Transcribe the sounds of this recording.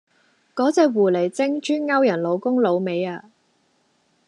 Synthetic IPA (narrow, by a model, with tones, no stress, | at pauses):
kɔː˨˥t͡sɛː˧wuː˨˩le˨˩jt͡sɪ˥ŋt͡ʃʰyː˥nŋɐ˥wjɐ˨˩nlo˨˧wkʊ˥ŋlo˨˧wme˨˧jaː˧